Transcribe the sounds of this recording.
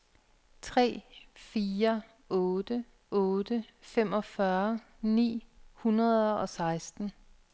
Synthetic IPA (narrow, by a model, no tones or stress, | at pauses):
t͡sʰʁɛ̰ːfiːɐ | ɔ̽ːd̥ə | ɔ̽ːd̥əfem̰ɒ̽fɶɐ | nḭːhunʁɐðˠɒ̽sɑ̈ɪsd̥n̩